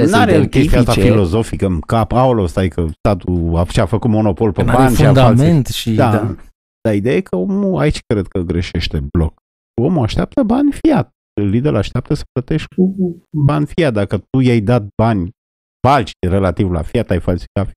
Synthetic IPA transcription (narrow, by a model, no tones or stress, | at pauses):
naɾejelk̪et̪iat̪afilo̞zo̞fikəmkapaolost̪ajikʰəst̪at̪uat͡ʃeafəkut̪mo̞no̞po̞lpebanfead̪aalment̪ʃid̪a | d̪̥aid̪eajekʰəo̞muait͡ʃkɾed̪̚kəɡɾeʃe̞ʃt̪e̞blo̞k | o̞muaʃt̪eap̚t̪əbanʲfijat̪̚ | lid̪elaʃt̪ap̚t̪əsə̥plət̪eʃ̚ʲkubanʲfijat̪̚d̪akət̪ujajd̪at̪̚banʲ | b̥alt͡ʃi̥re̞lat̪ivla̰fiat̪ajfalsi̥kaf